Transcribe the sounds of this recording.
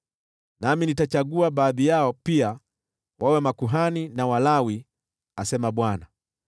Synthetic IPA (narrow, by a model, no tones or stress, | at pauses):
naminitat͡ʃaɡuaɓaːðijaɔpia | wʔawɛmakuɦaninawalawi | asɛmaɓwana